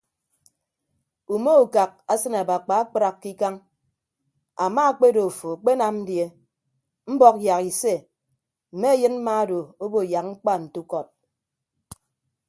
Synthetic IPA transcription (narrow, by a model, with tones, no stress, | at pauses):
u˨mo˦u˨ka˨k̚a˦sɨ˦na˨ba˨k͡pa˨a˦k͡pɾa˨kːi˦ka˦ŋ | a˨ma˦k͡pe˦do˨fo˨a˨k͡pe˦na˨mn̩˦dje˦ | m̩˦bɔ˦k̚ja˨ki˨se˦ | m̩˨me˦jɨ˦nm̩˦ma˦do˨o˦bo˨ja˨k̚ŋ͡m̩˦k͡pa˦n̩˨tu˦kɔ˦˨t̚